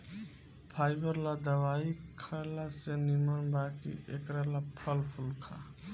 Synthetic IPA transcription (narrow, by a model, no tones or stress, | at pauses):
pʰajbəɾlad̪əbaikʰalasenimənbakḭʔekɾalapʰəlpʰulkʰa̰